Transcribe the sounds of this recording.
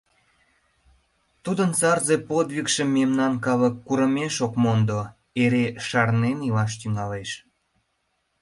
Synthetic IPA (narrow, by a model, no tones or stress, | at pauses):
t̪ud̪ənt͡sɑrzepod̪βikʃemːemnɑnkɑləkːuɾəmeʃokmond̪o | eɾeʃɑrnenilɑʃ̬t̪yŋɑleʃ